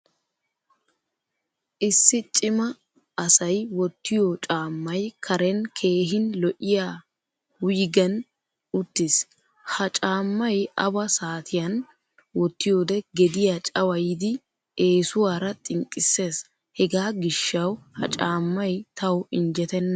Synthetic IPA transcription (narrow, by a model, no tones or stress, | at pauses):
ʔɪsːɪt͡ʃʼɪmɐː | sɐjwɔt̪ːɪjoːt͡ʃʼaːmːɐjkʰɐɾɛnkʰe̞ːɦɪnlɔʔɪjaː | wʊjɡɛn | ʊt̪ːɪs | hɐt͡ʃʼaːmːɐjʔɐ̰bɐsaːt̪ʰɪjɐn | wɔt̪ːɪjoːd̪ɛɡɛd̪ɪjat͡ʃʼɐwɐjɪd̪ɪ | e̞ːsʊwaːɾɐt̪ʼɪŋkʼːɪsːe̞ːs | hɛɡaːɡɪʃːɐwhɐ̰t͡ʃʼaːmːɐjt̪ɐwɪnd͡ʒɛt̪ɛnːɐ